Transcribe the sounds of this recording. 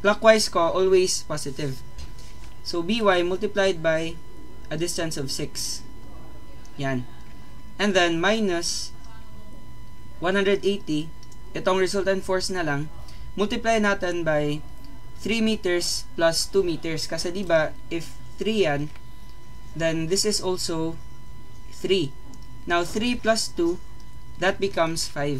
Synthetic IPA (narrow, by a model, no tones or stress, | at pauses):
plakwajskoʔolwejspasɪt̪ɪv | sobiwajmʊlt̪ɪplajd̪̚baj | ʔɐd̪ɪst̪ɐ̃nsɔvsɪks | jan | ʔɛ̃nd̪ɛnmajnʊs | wɐ̃nhãnd̪ɹɛd̪ejt̪i | ʔɛt̪oŋɹɛsult̪ɐnt̪foɹsnɐlaŋ | mʊlt̪ɪplajnaːt̪ɛnbaj | θɹimiːt̪ɛɹsplɐst̪umiːt̪ɛɹskɐsɐd̪iba | ʔɪf | θɾijan | d̪ɛnd̪ɪsɪsolsow | θɹi | nawθɾiplɐst̪u | ðɐt̪̚bɪkɐ̃msfajv